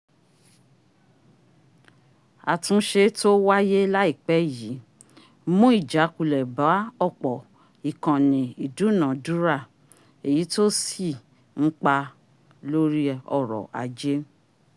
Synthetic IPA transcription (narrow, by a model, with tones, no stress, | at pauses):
a˨tũ˧ʃe˧to˦wa˦je˦la˦i˦˨k͡pɛ˨˦˨ji˨˦ | mũ˦i˦˨d͡ʒa˨˦ku˨lɛ˨ba˨˦ɔ˦˨k͡pɔ˨ | i˨kã˨nĩ˨i˨du˨˦˨nã˨du˦ɾa˦˨ | e˨ji˨˦to˦si˦˨ | ŋ̩˦k͡pa˧ | lo˦ɾi˦ɔ˦˨ɾɔ̰˨ʔa̰˨˧d͡ʒe˦